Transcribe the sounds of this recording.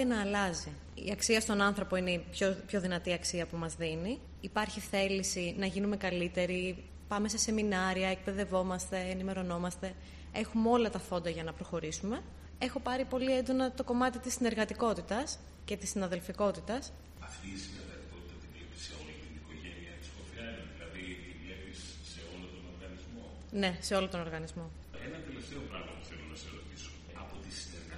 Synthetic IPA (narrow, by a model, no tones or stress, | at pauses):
enɐːlɐzi | ḭɐksiɐst̪o̞nɐnθɾo̞po̞inepçopço̞ðinɐt̪iɐksiɐpumɐzðiniː | pɐɾçiθe̞lisinɐʝinume̞kɐlit̪e̞ɾi | pɐme̞sese̞minɐɾiɐek̚pe̞ðe̞vo̞mɐst̪e̞ːnime̞ɾo̞no̞mɐst̪e̞ | e̞xumeo̞lɐt̪ɐθo̞nd̪ɐʝɐnɐpɾo̞xo̞ɾisume̞ | e̞xo̞pɐɾipo̞liend̪o̞nɐt̪o̞ko̞mɐt̪it̪isːine̞ɾɣɐt̪iko̞t̪it̪ɐs | ce̞t̪isːinɐðe̞lfiko̞t̪it̪ɐs | ɐft̪iːsinɐðet̪iko̞t̪i̥t̪ɐt̪ivlepi̥seo̞lit̪iniko̞ʝeniɐt̪i̥skofiɐneðilɐðit̪ivle̞pisːe̞o̞lont̪o̞no̞ɾɣɐnizmo̞ | ne̞se̞o̞lont̪ono̞ɾɣɐnizmo̞ | enɐt̪e̞left̪e̞o̞pɾɐ̰ɣmɐpu̥θelo̞nɐseɾo̞t̪iso̥ | ɐpo̞t̪isineɾɣɐ